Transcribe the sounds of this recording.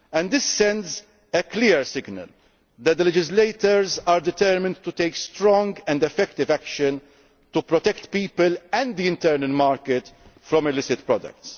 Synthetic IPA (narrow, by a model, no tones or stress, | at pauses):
ɛ̃nd̪d̪ɪsːɛ̃ndz | əklɪːɾsɪɡnə̰l | d̪ɛt̪̚d̪əlɛd͡ʒɪzleɪt̪ɔɾzaːɾd̪ɪt̪ɛɾmɪ̃nt̪ut̪eɪkst̪ɾɔ̃ŋɡɛ̃nd̪ɛfɛkt̪ɪvækʃə̃n | t̪upɾɔt̪ɛkt̪piːpəlɛ̃nd̪d̪iɪ̃nt̪ɛːɾnəlmaːɾkɪt̪fɾɔ̃mɪlɪsɪt̪pɾɔd̪ɐ̰k̚t̪s